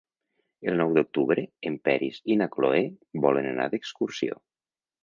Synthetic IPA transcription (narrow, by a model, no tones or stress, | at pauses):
əlˠnɔwd̪uk̚t̪uβɾəːmpɛɾizinakloebɔlənəna̰ðəkskursio̰